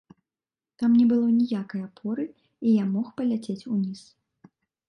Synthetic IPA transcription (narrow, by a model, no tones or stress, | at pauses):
t̪amnʲɛbɨlˠɔnʲijakɐjɐpʰɔɾɨ | ijamɔxpɐlʲat͡sʲet͡sʲunʲis